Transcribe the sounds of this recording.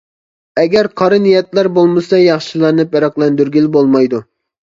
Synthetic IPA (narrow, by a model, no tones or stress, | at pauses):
ɛɡʲɛɾqʰɑɾɨnijɛt̪læɾbolˠmɨsɑjɑχʃilˠɑɾnɨpɛɾɑqlˠɛnd̪yɾɡʲilɪbolˠmɑjd̪u